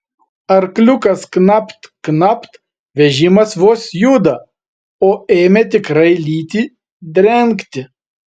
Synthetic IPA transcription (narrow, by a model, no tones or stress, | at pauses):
ɐɾklʲʊkɐsknɑpt̪knɑpt̪ | ʋʲɛʒʲɪmɐsʋoɔsjud̪ɐ | oːeːmʲɛt̪ʲɪkɾɐɪlʲiːt̪ʲiː | d̪ʲɾʲɛŋkt̪ʲɪ